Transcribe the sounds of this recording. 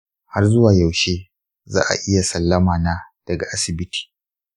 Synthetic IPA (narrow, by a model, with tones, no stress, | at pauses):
ha˦rzʊ˦waː˨jɐ˨wʃeː˦ | za̰ː˦ʔa̰˨ʔɪ˦ja˨sɐ˨lːɐ˦maː˨na˦d̥ɐ˨ɡa˨ʔa˦sɪ˨bɪ˦tʰi̥ː˨